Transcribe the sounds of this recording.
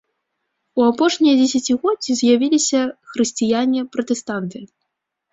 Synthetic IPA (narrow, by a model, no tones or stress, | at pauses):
uapɔʂnʲijɐd͡zʲɛsʲat͡sʲiɣɔizʲjavʲilʲisʲɐxɾɨsʲt͡sʲijanʲipɾɐt̪ɛst̪ant̪ɨ